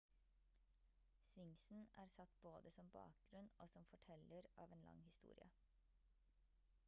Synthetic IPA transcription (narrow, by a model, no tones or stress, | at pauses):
sʋɪŋsn̩ʔæːɾsɑt̪boːd̪əsɔmbɑ̰ːk̚ɡ̥ɾʉnoːsɔmfɔʈʰɛləɾɑːʋeːnlʔɑ̰ŋhɪst̪ṵːɾɪ̰ə